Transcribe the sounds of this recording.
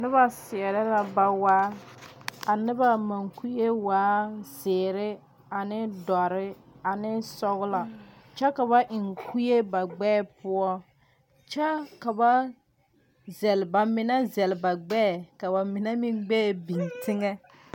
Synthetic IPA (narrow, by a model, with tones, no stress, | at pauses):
nɪ˦βa˨sɪ˨ɛ˨ɾɛ˦la˨ba˨waː˦ | a˨nɪ˦ba˨ma˨ŋku˦je˦waː˨˦zɪː˨ɾɪ˦ | a˨nɪ˦dɔ˨ɾɪ˦a˨nɪ˦sɔ˦ɣʊ˦la˨ | t͡ʃɛ˦ka˨βa˦ʔɪ˨ŋkʰu˦je˦ba˨ɡ͡bɛː˦˨pʊ˦ɔ˦ | t͡ʃɛ˦ka˨ba˦ | zɛ˨lba˨mɪ˨na˦zɛ˨lba˨ɡ͡bɛː˦˨ka˨ba˨mɪ˨nɛ˦mɪ˦ŋɡ͡bɛː˦˨bi˨ntɪ˦ŋɛ˦